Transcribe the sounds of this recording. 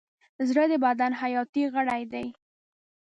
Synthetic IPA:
zɽəd̪əbad̪anɦajɑt̪iɣəɽajd̪aj

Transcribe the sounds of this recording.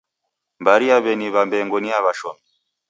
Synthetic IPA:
mbaɾiaβɛniβambɛŋɡɔniaβaʃɔmɛ

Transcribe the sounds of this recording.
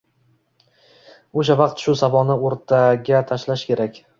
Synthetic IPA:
oʃ̬avɑqt̪ʃʊsavɒnɪoɾt̪ʰaɡʲat̪ʰaʃlaʃkʲʰe̞ɾakʲ

